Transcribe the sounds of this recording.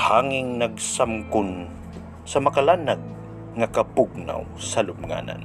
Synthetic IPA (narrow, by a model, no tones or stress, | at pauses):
haŋɪŋnaɡsamkʊn | sɐmɐkalanaɡ̚ | ŋakɐpʊɡ̚na̰wsɐlʊmŋa̰ːna̰n